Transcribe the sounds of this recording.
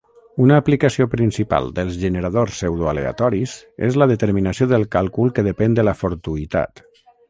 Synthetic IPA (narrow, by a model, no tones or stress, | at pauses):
unaːplikasiopɾinsipa̰lˠd̪əlˠzʒənəɾaðorsːɛwðoalḛa̰t̪ɔɾizḛzləðət̪əɾminasioðəlˠkalˠkulˠkəðəpɛnd̪əlafoɾt̪uit̪a̰t̪